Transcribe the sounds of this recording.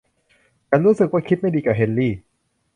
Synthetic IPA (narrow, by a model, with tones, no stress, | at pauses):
ka˧nɾuː˦˥sɯ˨˩k̚waː˥˩kʰi˦˥t̪̚ma˥˩jdiː˧ka˨˩ɦe˧nliː˥˩